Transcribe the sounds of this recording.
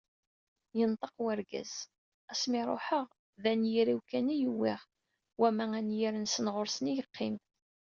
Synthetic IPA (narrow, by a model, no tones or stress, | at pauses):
jənt̪ˤəqwæɾɡæ̰z̥ | æsmɪɾˤo̰ħəʁ | ðænjiɾiwkænijuwːɪʁ | wæmæænjiɾənsənʁoɾsənijəqʰːɪm